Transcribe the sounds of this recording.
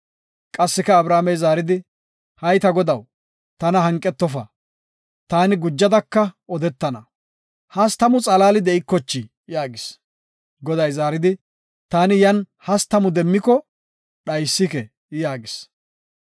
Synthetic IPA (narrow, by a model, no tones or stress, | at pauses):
kʼɐsːɪkɐːbɾaːmɛjzaːɾɪd̪ɪ | hɐjt̪ɐɡɔd̪ɐw | t̪ɐnɐɦɐŋkʼːɛt̪ːɔfɐ | t̪aːnɪɡʊd͡ʒːɐd̪ɐkːɐɔd̪ɛt̪ːɐnɐ̰ | hɐst̪ɐmʊt͡sʼɐlaːlɪd̪ɛʔɪkːɔt͡ʃːɪ | jaːɡɪs | ɡɔd̪ɐjzaːɾɪd̪ɪ | t̪aːnɪjɐn | hɐst̪ɐmʊd̪ɛmːɪkɔ | ɗɐjsːɪkɛ | jaːɡɪs